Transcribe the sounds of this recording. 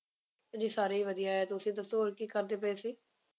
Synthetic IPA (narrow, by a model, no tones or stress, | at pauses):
d͡ʒiːsaːɾeːiːʋəd̪ijaːɦɛːt̪ʊsĩːt̪əst̪oːɾkiːkəɾd̪eːpəeːsiː